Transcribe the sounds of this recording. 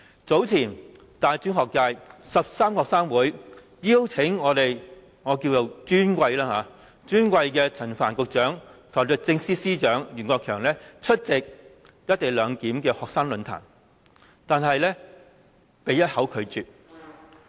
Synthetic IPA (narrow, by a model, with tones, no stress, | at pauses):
t͡so˨˥wt͡sʰiː˨˩n | t̪aː˨jt͡ʃyː˨˥nhɔː˨kːaː˧jsɐ˨p̚saː˥mkɔː˨k̚saː˥ŋwuː˨˥j | jiː˥wt͡sʰɪ˨˥ŋŋɔː˨˧t̪e˨j | ŋɔː˨˧kiː˧wt͡so˨wt͡ʃyː˥nkʷɐ˧jlaː˥haː˨˧ | t͡ʃyː˥nkʷɐ˧jkɛː˧t͡sʰɐ˨˩nfaː˨˩nkʊ˨˧k̚t͡ʃœː˨˥ŋkʰɐ˨˩wt͡sɵ˨˧t̚t͡sɪ˧ŋsiː˥siː˥t͡ʃœː˨˥ŋjyː˨˩nkʷɔː˧kʰœː˨˩ŋlɛː˥t͡ʃʰɵ˥t̚t͡sɪ˨k̚ | jɐ˥t̚t̪e˨jlœː˨˧ŋkiː˨˥mkɛː˧hɔː˨k̚saː˥ŋlɵ˨˧nt̪ʰa̰ː˨˩n | t̪aː˨nɦɐ˨jlɛː˥ | pe˨jɐ˥t̚hɐ˨˥wkʰɵ˨˧ɥt͡ʃyː˨t̚